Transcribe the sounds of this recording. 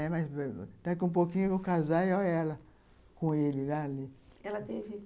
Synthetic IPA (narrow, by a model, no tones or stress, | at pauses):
ɛmajst̪akɪũp̬okĩɲʊʊkazajoɛlɐ | kõelɪlaːliɛlɐt̪evɪ